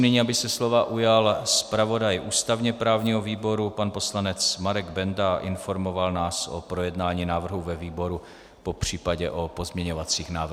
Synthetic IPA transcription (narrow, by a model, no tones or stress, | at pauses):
nɪɲiːabɪsɛslo̞vaʔujalspɾavo̞dajʔuːst̪avɲɛpɾaːvɲiːɦoviːbo̞ɾupanpo̞slanɛt͡smaɾɛɡbɛndaʔɪnfo̞ɾmo̞valnaːsʔo̰pɾo̞jɛdnaːɲiːnaːvr̩ɦuvɛviːbo̞ɾu | po̞pr̝̥iːpaɟɛʔo̞po̞zmɲɛɲo̞vat͡siːxnaːvr